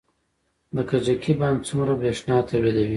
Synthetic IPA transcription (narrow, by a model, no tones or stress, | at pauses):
d̪əkad͡ʒakʰibɑnd̪t͡sumɾabɾeʂnɑt̪ʰawɾed̪awi